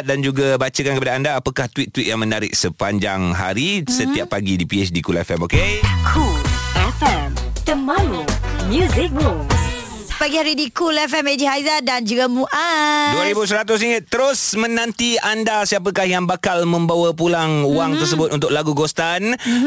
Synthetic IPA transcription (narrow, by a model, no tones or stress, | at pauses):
t̪̚dand͡ʒuɡabat͡ʃəkankəpadaːndaːpakaht̪wit̪ːwit̪̚jaŋmənaɾɪ̰k̚səpaɲd͡ʒaŋɦa̰ɾisət̪iappːaɡidipiɛsdikulɛ̰fɛ̰mokekʰulɛfɛmt̪əmalomjuzɪk̚ɾums | paɡihaɾidikulɛfɛmed͡ʒihajzadand͡ʒuɡamuʔadduaɾibusəɾat̪̬ʊs̬iŋət̪ːəɾʊsmənãnt̪iandasiap̬əkahjaŋbakalmə̃mbawap̬ulaŋuwaŋt̪ərs̬əbʊt̪ʔunt̪ʊklaɡuɡost̪an